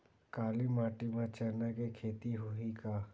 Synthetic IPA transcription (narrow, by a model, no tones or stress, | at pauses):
kaːlimaːʈimãt͡ʃəɾnakekʰeːt̪iɦuika